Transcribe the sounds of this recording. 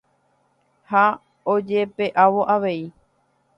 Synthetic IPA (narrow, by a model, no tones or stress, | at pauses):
ha | od͡ʒe̞pe̞ʔaʋo̞ʔaʋe̞i